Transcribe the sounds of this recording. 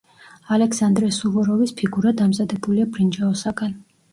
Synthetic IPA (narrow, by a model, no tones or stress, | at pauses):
alɛksand̪ɾɛsuvɔɾɔvispʰiɡuɾad̪amzad̪ɛbuliabɾind͡ʒaɔsaɡan